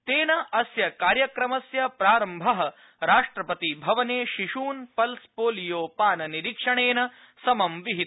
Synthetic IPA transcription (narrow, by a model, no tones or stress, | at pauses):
t̪eːnɐɐsjɐkaːɾjɐkɾɐmɐsjɐpɾaːɾɐmbʱɐɦɐ | ɾaːʂʈɾɐpɐt̪ibʱɐʋɐneːʃiʂuːnpɐlspoːlijoːpaːnɐniɾikʂɐɳeːnɐ | sɐmɐmʋiɦi